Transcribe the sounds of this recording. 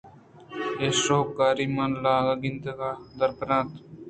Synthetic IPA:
eːsoːkːaːɾiːmanlaːɡaːɡɪnd̪əɡaːd̪əɾpɾãːnt̪

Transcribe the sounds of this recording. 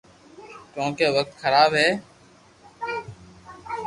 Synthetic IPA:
kjõːkeːʋək̚t̪xʰəɾaːbɦeː

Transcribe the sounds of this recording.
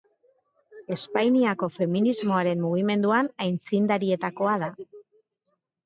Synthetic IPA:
e̞spajniako̞fe̞minizmo̞aɾe̞mːuɣ̞ime̞nd̪uanajnt͡sind̪aɾie̞t̪ako̞að̞a

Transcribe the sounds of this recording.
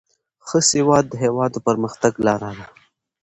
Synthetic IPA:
xəsɪwɑːd̪ːəɦewɑːd̪opəɾməxt̪aɡlɑɾaɾa

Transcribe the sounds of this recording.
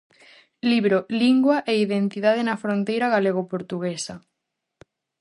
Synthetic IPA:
liβɾoliŋɡwaʔeiðent̪iðaðenɐfɾont̪ejɾaɣaleɣ̞opoɾt̪uɣesɐ

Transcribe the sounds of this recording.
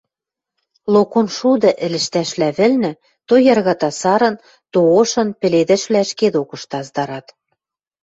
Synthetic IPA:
lokonʃud̪ɤ̆ʔɘ̆lɘ̆ʃt̪æʃlæβɘ̆lnɘ̆ | t̪ojɑrɣɑt̪ɑsɑɾɤ̆n | t̪ooʃɤ̆npɘ̆led̪ɘ̆ʃβlæʃked̪okɤ̆ʃt̪ɑzd̪ɑɾɑt̪

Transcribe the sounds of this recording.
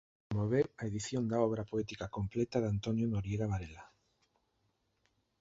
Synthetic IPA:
moβ̞eaeðiθjond̪aoβ̞ɾapoet̪ikakomplet̪aðant̪onjonoɾjeɣaβaɾela

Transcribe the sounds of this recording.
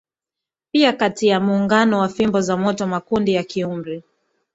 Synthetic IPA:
piakatijamuːŋɡanɔwafimbɔzamɔtɔmakundijakiumbɾi

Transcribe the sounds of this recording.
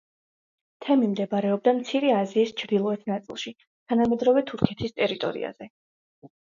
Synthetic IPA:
t̪ʰɛmimd̪ɛbɾɛɔb̚d̪amt̪sʰiɾɛaziːst͡ʃʰɾd̪ilˠɔɛt̪ʰnat̪sʼḭlˠʃi | t̪ʰanamɛd̪ɾɔvɛt̪ʰuɾkʰɛt̪ʰist̪ʼɛɾit̪ʼɔ̰ɾḭa̰z̥ɛ

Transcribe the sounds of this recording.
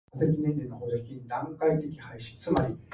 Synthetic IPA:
zekʲinẽ̞nɾʲenoɦoːʑḁkʲiid̪ãŋkait̪e̞kʲi̥haiɕĩ̥t͡sɨmaɾʲi

